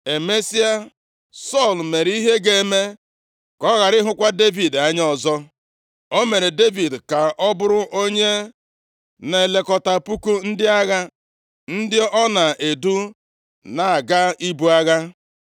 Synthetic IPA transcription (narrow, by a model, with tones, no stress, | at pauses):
e˨me˦si˦a˦ | sɔ˦˨lme˨ɾi˦ɦe˦ɡe˦˨˦me˦ | kɔ˦ɣa˨ɾɪ˦ɦʊ˦kʷa˦de˦vi˨da˦ɲ˦ɔ˨zɔ˦ | o˦me˨ɾe˨de˦vi˨dka˨ɔ˦bʊ˦ɾʊ˦ʔo˦ɲe˦ | ne˨le˨kɔ˨ta˨pu˦ku˦n̩˦dɪ˦a˦ɣa˦ | n̩˦dɪ˦ɔ˦na˨e˨du˦ | na˨a˨ɡa˦i˦bu˦a˦ɣa˦